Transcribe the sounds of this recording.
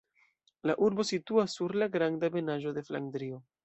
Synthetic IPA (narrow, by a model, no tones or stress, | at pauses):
laʔuɾbo̞situasːuɾlaɡɾandabe̞naʒo̞de̞fla̰ŋdɾio̞